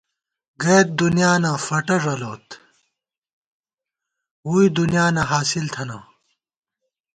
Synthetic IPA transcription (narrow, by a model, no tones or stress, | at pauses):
ɡeːt̪̚d̪unijaːnafɐʈɐʐɐloːt̪ | uːid̪unjaːnɐɦaːsilt̪ʰɐnɐ